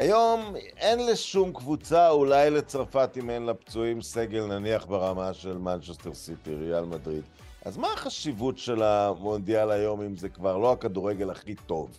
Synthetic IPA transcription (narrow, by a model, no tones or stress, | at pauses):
ajo̞m | e̞nleʃumkvut͡saulajlet͡sʁfatimenlapt͡suimse̞ɡe̞lnaniaχbeʁamaʃe̞lmant͡ʃesteʁsit̪iʁealmadʁid̪ | a̰zmaːχaʃivutʃe̞lamo̞ndialajo̞mimzekvaʁlo̞akaduʁeɡe̞laχit̪o̞v